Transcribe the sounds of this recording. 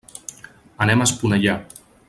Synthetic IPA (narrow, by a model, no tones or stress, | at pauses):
ənɛmaspunəʎa